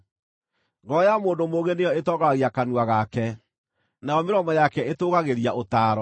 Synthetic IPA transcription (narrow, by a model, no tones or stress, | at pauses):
ɡɔjamoːndomoɣenejɔetɔɣaɣiakanwaɣakɛ | najɔmeɾɔmɔjakɛetoːɣaɣeɾiaʔotaːɾɔ